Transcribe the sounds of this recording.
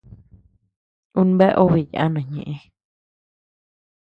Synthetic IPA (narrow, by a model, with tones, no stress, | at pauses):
ũ˦n˦be˦ʔo˦˧βi˧˨ja̰˨ʔa˦nã˨ɲḛ̃˨ʔẽ˧